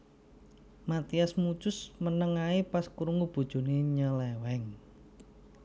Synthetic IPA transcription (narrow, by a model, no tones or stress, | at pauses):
mat̪iasmu̥t͡ʃʊsmənəŋaipaskuɾuŋɡub̥ṳd̥ʒ̥o̤neɲəlewɛŋ